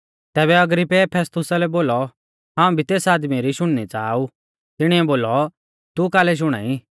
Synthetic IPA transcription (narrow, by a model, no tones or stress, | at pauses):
t̪ɛːβɛɐɡɾɪpepʰɛːst̪ʊsalɛboːlɔ | ɦãːũbʱit̪eːsaːd̪miɾiʃʊɽ̃nit͡saːu | t̪ɪɽ̃iɛboːlɔ | t̪ukaːlɛʃ̬ʊɽ̃a̰ːi